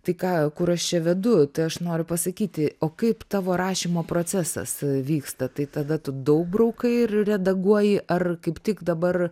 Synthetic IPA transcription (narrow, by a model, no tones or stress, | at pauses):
t̪ɐɪkɑːkʊɾɐʃt͡ʃʲɛʋʲɛd̪ʊt̪ɐɪɐʃnoːɾʲʊpɐsɐkʲiːt̪ʲɪoːkɐɪpt̪ɑːʋoːɾɑːʃʲimoːpɾoːt͡sʲæsɐ̰sʋʲiːkst̪ɐt̪ɐɪt̪ɐd̪ɐt̪ʊd̪ɐʊk̚brɐʊkɐɪɪrrʲɛd̪ɐɡuɔjɪʔɐrkɐɪpt̪ʲɪkd̪ɐbɐr